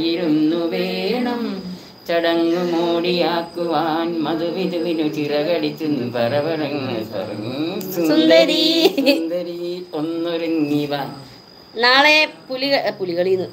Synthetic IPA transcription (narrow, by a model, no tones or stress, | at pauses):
jiɾunːuʋeːɳɐm | t͡ɕɐɽɐŋːumoːɽijaːkːuʋaːnmɐðuʋinuʋinut͡ɕirɐɣɐɽikʲːunːupɐrɐbɐɾɐŋlɐpɐ̰rɐŋssund̪ɐɾind̪ɐɾionːoɾuŋːiʋɐ | naːɭepuliɣɐpuliɣɐɭinːu